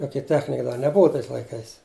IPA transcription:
ˈjoːkʲɛ ˈtʲæːxʲnʲɪkɐ dɐ nʲɛˈbʊʋɐ tɐɪs lˠɐɪˈkɐɪs

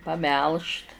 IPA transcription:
pɐˈmʲɛlˠʃt

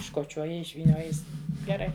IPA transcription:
ɪʃkoːˈt͡ʃʲoːjɪ ɪʃʲʋʲiːˈnʲoːjɪ ˈjɪs ɡʲɛˈrɐɪ

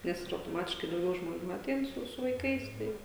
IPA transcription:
ˈnʲɛs ɪr ɐʊtoːˈmɑːtʲɪʃkɐɪ dɐʊˈɡʲɛʊ ʒmoːˈnʲuː ɐˈtʲɛɪn sʊ sʊ ʋɐɪˈkɐɪs ˈtɐɪ

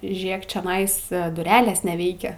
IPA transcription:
ˈʒʲeːk t͡ʃʲɛˈnɐɪs dʊˈrʲæːlʲeːs nʲɛˈʋʲɛɪkʲɛ

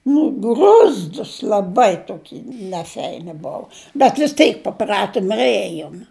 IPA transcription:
nʊ ɡrʊzˈduːs lˠɐˈbɐɪ toːˈkʲiː nʲɛˈfʲɛɪnʲɪ ˈboːʋʊ bʲɛt ʋʲɪs ˈtʲɛɪk pɐˈprɑːtoːm ɪr ˈeːjoːm

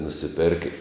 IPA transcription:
nʊsʲɪˈpʲɛrkə

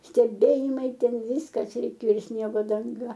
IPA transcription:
sʲtʲɛˈbʲeːjɪmɐɪ ˈtʲɛn ˈʋʲiːskɐs rʲɛɪˈkʲeːoː ɪ ˈsʲnʲiɛɡoː dɐŋˈɡɐ

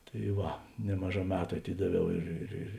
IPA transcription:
tɐɪ ˈʋɐ ˈnʲæːmɐˌʒɑː ˈmʲæːtʊ ɐˈtʲɪdɐˌʋʲɛʊ ˈɪr ɪr ɪr

